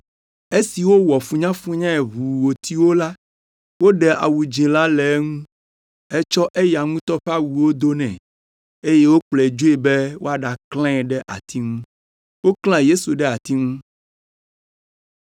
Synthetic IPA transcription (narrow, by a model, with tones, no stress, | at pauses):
e˦si˨wo˦wɔ˨fũ˦ɲã˦fũ˦ɲã˦ɛ˨ɦu˨wo˨t̪ʰi˦wo˦la˦ | wo˦ɖɛ˨ʔa̰˨wu˨d͡ʒĩ˨la˦lɛ˨˦ŋũ˦ | ɛ˦t͡ʃɔ˦ʔe˦ja˨ŋũ˦t̪ɔ˦ɸa˦wu˨wo˦d̪o˦nɛ̃˨ | e˦je˦wo˦k͡plɛ˨d͡ʒo˦e˦bɛ˦wo˦a˨ɖa˨klɛ̃˦ɛ˨ɖɛ˦ʔa̰˨t̪ʰi˦ŋũ˦ | wo˦kl̃ã˦je˦su˨ɖɛ˦a˨t̪i˦ŋũ˦